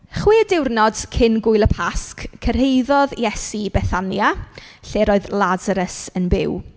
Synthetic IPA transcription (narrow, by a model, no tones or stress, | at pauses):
χwiːədɪwrnɔd̥kʰɪnɡʊɨlˠəpʰaskkʰːər̥ɦejðɔðjɛsibɛθanjaɬeːɾoɨðlˠazaɾəsənbɪ̰w